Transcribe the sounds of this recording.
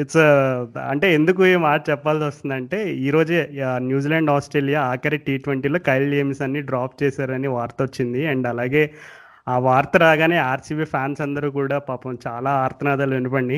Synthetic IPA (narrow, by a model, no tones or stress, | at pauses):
it͡sːɐɐ̰ɳʈe̞ːend̪uk̬ueːmaːʈ̚t͡ʃɛpːaːlsiʋɐst̪und̪ɐɳʈe̞ːiːɾo̞ːd͡ʒenjuːd͡ʒiːlɐɳɖaːsʈɾeːlijaːaːkɐɾiʈiːʈʋeɳʈiːlo̞ːkɐjleːmsɐnːiːɖɾaːpt͡ʃɛːsaːɾɐniʋaːɾt̪ɐʋot͡ʃːind̪iɐɳɖɐlaːɡe̞ː | aːʋaːɾt̪ɐɾaːɡaːneːaːɾsiʋiːpʰjaːnsɐnd̪ɐɾuːkuːɽaːpaːpɐmt͡ʃaːlaːaːɾt̪ʰɐnaːd̪aːluʋenip̬ɐɳɖi